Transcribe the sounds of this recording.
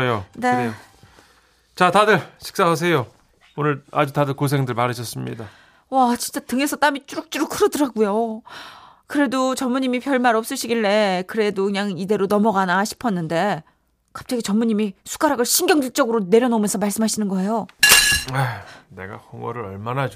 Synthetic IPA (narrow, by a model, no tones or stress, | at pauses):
jone̞ | t͡ɕatadɯɭɕʰi̥k̚s͈aɦas̬ʰe̞jo | onɯɭa̰d͡ʑutadɯɭkos̬ʰe̞ŋdɯɭmaɾɯɕʰʌs͈ɯmɲḭda | wat͡ɕint͡ɕ͈atɯŋe̞sʰʌt͈amit͡ɕ͈uɾuk̚t͡ɕ͈uɾukʰɯɾʌdɯɾaɡujo | kɯɾe̞dot͡ɕʌmuɲimipʰjʌɭmaɾʌp̚s͈ɯɕʰiɡiɭːe̞kɯɾe̞dokɯɲaŋide̞ɾonʌmʌɡanaɕʰi̥pʰʌnːɯnde̞ | kḁp̚t͡ɕ͈aɡit͡ɕʌmuɲimisʰu̥k͈aɾaɡɯɭɕʰiŋɡjʌŋd͡ʑiɭt͡ɕ͈ʌɡɯɾone̞ɾjʌnomjʌnsʰʌmaɭs͈ɯmɦaɕʰinɯnɡʌɦe̞jo | ane̞̰ɡa̰hʌŋʌɾɯɾʌɭmanad͡ʑ